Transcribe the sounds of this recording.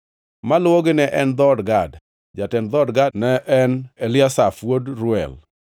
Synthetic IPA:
malwoɡɪnɛʔɛnd̪ɔdɡad | d͡ʒatɛnd̪ɔdɡanɛʔɛnelɪasafwodɾʊɛ̰l

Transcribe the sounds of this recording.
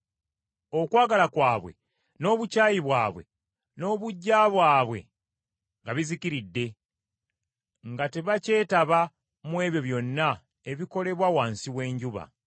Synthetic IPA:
o̞kwaːɡalakwaːβwe̞̰ | no̞ːβucaːjiβwaːβwe̞̰ | no̞ːβuɟːaβwaːβwe̞̰ | ŋɡaβiziciɾidːe̞ | ŋɡate̞βace̞ːtaβa | mwe̞ːβjo̞βjo̞nːa | e̞βiko̞le̞βwawaːnsiwe̞ːɲɟuβa̰

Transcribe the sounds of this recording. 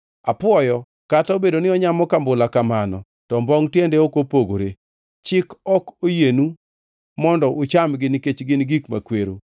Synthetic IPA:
apwɔjɔ | kataobedonɪɔɲamɔkambʊlakamanɔ̰ | tɔmbɔŋtjendeokopoɡo̰ɾe | t͡ʃɪkɔkojenu | mɔndɔʔʊt͡ʃamɡɪnket͡ʃɡɪnɡikma̰kweɾo

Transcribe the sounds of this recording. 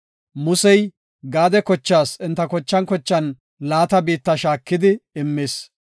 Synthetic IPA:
mʊsɛj | ɡaːd̪ɛkɔt͡ʃːaːsɪnt̪ːɐkɔt͡ʃːɐnkɔt͡ʃːɐn | laːt̪ɐbiːt̪ːɐʃaːkːɪd̪ɪɪmːeːs

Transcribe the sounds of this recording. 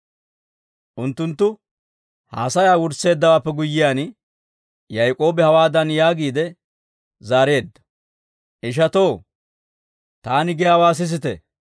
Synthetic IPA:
ʔʊnt̪ːʊnt̪ːʊ | ha̰ːsɐjaːwʊɾse̞ːd̪ːɐwaːpːɛɡʊjːɪjaːn | jɐjkʼo̞ːbɛhɐwaːd̪ɐnjaːɡiːd̪ɛ | zaːɾe̞ːd̪ːɐ̥ | ʔɪʃ̬ɐt̪o̞ː | t̪aːnɪɡɛjaːwaːs̬ɪs̬ɪt̪ɛ

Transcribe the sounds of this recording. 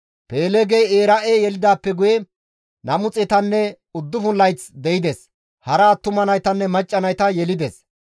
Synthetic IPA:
peːlɛɡejeːɾɐʔejɛlɪd̪aːpːɛɡʊjɛ | nɐmʊt͡sʼɛt̪ɐnːɛ | ʊd̪ːʊfʊnlːɐjt͡sd̪ɛɪd̪ɛs | hɐɾaːt̪ːʊmɐnɐjt̪ɐnːɛmɐt͡ʃʼːɐnɐjt̪ɐjɛlɪd̪ɛs

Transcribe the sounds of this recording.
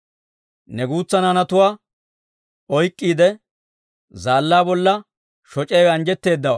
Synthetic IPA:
nɛɡuːt͡sːɐnɐnɐt̪ʊwaː | ɔjkʼːiːd̪ɛ | zaːlːaːbɔlːɐ | ʃɔt͡ʃʼejɐnd͡ʒɛt̪ːe̞ːd̪ːɐwɐ̰

